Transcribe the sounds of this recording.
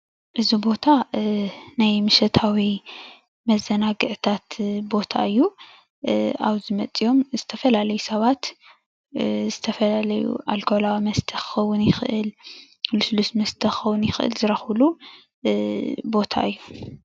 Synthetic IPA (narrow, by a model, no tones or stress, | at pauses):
ʔɨzibo̞t̪ʰa | najmɨʃɐt̪ʰawi | mɐzːɐnaɡɨʕt̪ʰat̪bo̞t̪ʰa̰ʔɨjːu | a̰βzɨmɐt͡sʼijo̞mzɨt̪ʰɐfɐlalɐjusɐβat̪ | zɨt̪ʰɐfɐlalɐjṵʔalkʰolawamɐst̪ʰɐxɐwʊnjɪxʔɨl | luslusmɐst̪ʰɐxɐwʊnjɪxʔɨ̰lzɨɾɐxlu | bo̞t̪ʰa̰ʔɨjːu